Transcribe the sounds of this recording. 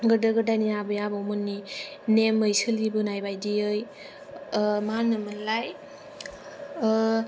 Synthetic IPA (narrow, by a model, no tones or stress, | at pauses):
ɡɯdɯɡɯdaniabɯjabawmɯnːi | nemɯjsɯlibɯnajbajdiɯj | manɯmɯlaj